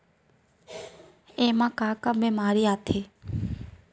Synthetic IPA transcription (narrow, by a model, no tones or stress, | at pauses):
emãkaːkabemaɾiat̪ʰe